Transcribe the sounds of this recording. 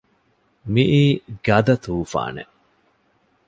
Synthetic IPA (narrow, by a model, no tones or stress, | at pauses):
miʔiːɡɐd̪ɐt̪uːfa̰ːnḛ